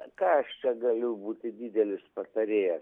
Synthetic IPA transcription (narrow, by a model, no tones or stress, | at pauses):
kɑːɐʃt͡ʃʲɛɡɐlʲʊbuːt̪ʲɪd̪ʲiːd̪ʲɛlʲɪspɐt̪ɐɾʲeːjɛs